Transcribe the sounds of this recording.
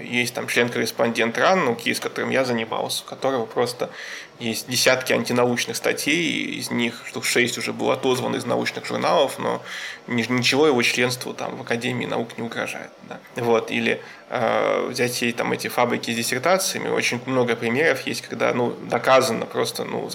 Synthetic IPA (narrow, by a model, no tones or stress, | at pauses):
jesʲt̚ʲt̪amt͡ɕlʲenkəɾʲɪspɐnʲdʲe̞nt̪ranːəʊkʲijskɐt̪o̞ɾɨmjazənʲɪma̰lˠsʲəʊ̥kɐt̪o̞ɾəvəpɾo̞st̪ə | jesʲt̚ʲdʲɪsʲat̪kʲɪɐnʲtʲɪnɐut͡ɕnɨxst̪ɐtʲʰej̰ɪ̰zʲnʲixʂt̪ofʂɛsʲtʲʊʐɛbɨlˠə̰ɐt̪o̞zvənɪznɐ̰ut͡ɕnɨxʐʊ̰rnalˠəfno̞̰nʲɪnʲɪt͡ɕɪvo̞jɪvo̞t͡ɕlʲe̞nst̪vʊ̰t̪a̰mvəkɐdʲemʲɪːnɐ̰uknʲɪʊɡɾɐ̰ʐa̰jɪ̰t̪̚d̪avo̞t̪ilʲɪ̰ | a̰vzʲætʲjejt̪amɛtʲɪfabɾʲɪkʲɪzʲdʲɪsʲɪrt̪at̪sɨjəmʲɪ̰o̞̰t͡ɕɪnʲmno̞ɡəpɾʲɪmʲeɾəfjesʲtʲkɐɡd̪a̰nud̪ɐkazənːəpɾo̞st̪ənṵ